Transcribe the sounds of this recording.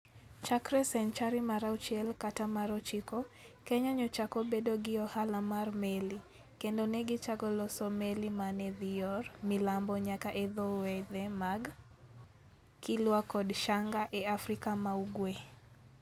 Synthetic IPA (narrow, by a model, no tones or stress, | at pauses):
t͡ʃakɾɛsɛnt͡ʃaɾimaɾaut͡ʃiɛlkatamaɾɔt͡ʃikɔkɛɲaɲɔt͡ʃakɔbedoɡɪɔhalamarmeli | kendonɛɡɪt͡ʃaɡɔlɔsɔmelimanɛðijɔɾmilambɔɲakaʔɛðɔwɛðɛmaɡ | kɪlwakɔdʃaŋɡaʔɛafɾikamauɡwe